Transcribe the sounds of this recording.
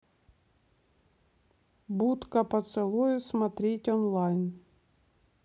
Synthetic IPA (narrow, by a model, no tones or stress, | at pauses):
but̪kɐpɐt̪sɨlˠujʊsmat̪ɾʲetʲɔnlˠajn